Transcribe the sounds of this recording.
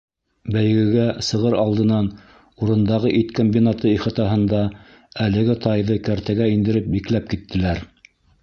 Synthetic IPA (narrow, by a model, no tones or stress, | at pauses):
bæj̆ɡɘ̆ɡæsɤ̆ʁɤɾɑlˠd̪ɤ̆nɑn | uɾɤ̆nd̪ɑʁɤʔit̪kombʲinat̪ɤiχɤ̆t̪ɑɦɤ̆nd̪ɑ | ælɘ̆ɡɘt̪ɑjðɤkæɾt̪æɡæind̪ɘ̆ɾɘp̚biklæp̚kit̪ːɘ̆læɾ